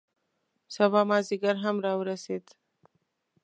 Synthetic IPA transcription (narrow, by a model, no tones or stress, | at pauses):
sɐbamaːziɡəɾɦɐmɾawɾəset̪